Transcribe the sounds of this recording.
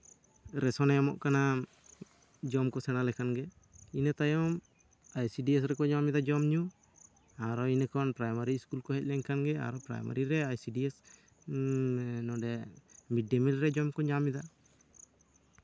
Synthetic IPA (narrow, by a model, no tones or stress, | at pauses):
ɾɛsɔnɛɔmɔʔkana | d͡ʒɔmkɔsɛnalɛkʰanɡɛ | inət̪ajɔm | ajsiɖiɛs̬ɾɛkɔɲamid̪ad͡ʒɔmɲu | aɾɔinəkʰɔnpɾajmaɾiskulkɔɦɛc̚lɛŋkʰanɡɛa̰ɾɔpɾa̰jma̰ɾiɾɛajsiɖiɛs | nɔɖɛmiɖɛmilɾɛd͡ʒɔmkɔɲamid̪a